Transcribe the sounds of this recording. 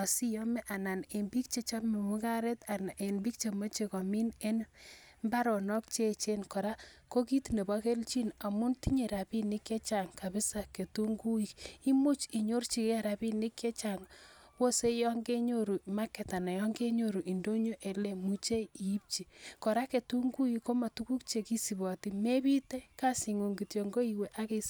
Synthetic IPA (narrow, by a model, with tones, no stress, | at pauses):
a˨si˦jɔ˦me˦ʔa˨na˨ne˨mbi˦k̚t͡ʃe˦t͡ʃa˦me˨mu˦ka˦ɾe˦ta˨n˨e˨nbi˦k̚t͡ʃe˨mo˦t͡ʃe˨kɔ˨mi˦ne˦n | mba˦ɾɔ˨nɔ˦k̚t͡ʃe˦˨t͡ʃe˦nkɔ˨ɾa˦ko˦ki˦tne˨ba˦ke˦lt͡ʃi˦na˨mu˦nti˦ɲe˨ɾa˨bi˦nɪ˦ke˦t͡ʃa˨ŋka˨bɪ˦sa˦ke˨tu˦ŋɡu˦i˨ki˦mu˦t͡ʃi˨ɲo˦rt͡ʃi˨ke˦ɾa˨bi˦nɪ˦kje˦t͡ʃa˨ŋ | wo˦se˦jɔ˦ŋɡe˦ɲo˦ɾu˨ma˦kːe˨ta˨na˨jɔ˦ŋɡe˦ɲo˦˨ɾu˨ʔi˨ndo˦ɲo˦ʔe˨le˦mu˦t͡ʃe˦i˨i˦p̚t͡ʃi˨kɔ˨ɾa˦ke˨tu˦ŋɡu˦ji˦ko˦ma˨tu˦ku˦kt͡ʃe˨ki˦si˨bɔ˨ti˦me˦bi˦te˦ka˦si˨ŋu˨ŋɡi˨tjo˨ŋɡo˦i˨we˨ʔa˦ke˦s